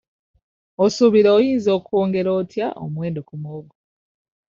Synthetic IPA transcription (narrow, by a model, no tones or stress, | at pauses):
osuβiɾeojiːnzo̞ːkuoːŋɡe̞ɾoːtʰjaʔo̰mweːndokumwoːɡo